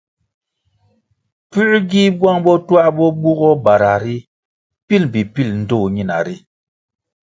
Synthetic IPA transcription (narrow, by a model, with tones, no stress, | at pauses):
pʉ˦ʔɡi˦bwa˦ŋbɔ˦twa˦bɔ˦bu˦ɣɔ˦ba˨ɾa˨ɾi˦ | pi˦lbi˨pi˦˨ln̩˦do˦˨ɲi˦˨na̰˨ɾi˦